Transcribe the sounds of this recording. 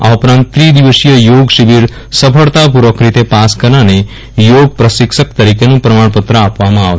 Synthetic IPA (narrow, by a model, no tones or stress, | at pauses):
a̰upɾãnt̪t̪ːɾid̪iʋəʃijəjoːɡʃibiɾ | səpʰəɭt̪apuɾʋəkɾit̪epaskəɾnane | joːɡ̚pɾəsikʃək̚t̪əɾikenũpɾɐmaɳpət̪ɾəapʋamãaʋ